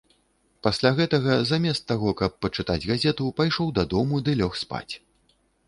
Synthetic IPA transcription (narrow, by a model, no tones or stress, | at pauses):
pasʲlʲaɣɛt̪ɐɣɐzamʲɛst̪ːaɣɔkɐpːɐt͡ʂɨt̪a̰d͡zʲɣazʲɛt̪upajʂɔwd̪ad̪ɔmud̪ɨlʲɔxspa̰t͡sʲ